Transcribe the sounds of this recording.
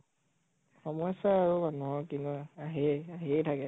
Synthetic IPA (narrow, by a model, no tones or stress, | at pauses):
xɔmɔjsaːɹumanuɦɔkinuaɦɛaɦijtʰakɛ